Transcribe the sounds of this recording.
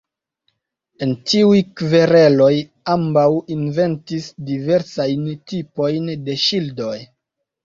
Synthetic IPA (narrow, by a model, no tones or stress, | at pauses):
e̞ntiujkve̞ɾe̞lo̞j | ambawinve̞ntisdive̞ɾsajntipo̞jnde̞ʃildo̞j